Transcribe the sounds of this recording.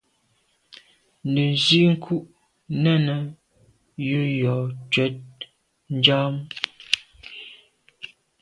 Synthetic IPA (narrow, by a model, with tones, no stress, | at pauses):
n˨də˨n˨zi˦ŋ̩˦kʰu˦ʔ | nɛ˦˨nə˨ | jʉ˦ɾjɔ˨t͡ʃɥɛ˨˦t̚ | n̩˦d͡ʒaː˦m